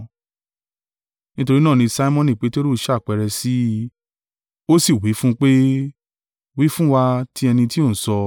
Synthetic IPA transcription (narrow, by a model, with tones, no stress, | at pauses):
nĩ˦to˧ɾi˦nãː˦˨nĩ˧sa˦i˦mɔ̃˦˧nĩ˨k͡pe˨˦te˦ɾu˦ʃa˦˨k͡pɛ˧ɾɛ˧si˦ | o˦si˦˨wi˨˦fũ˦˧k͡pe˦ | wi˦fũ˦wa˧ti˦ɛ˧nĩ˧ti˦o˦˨n̩˨sɔ˧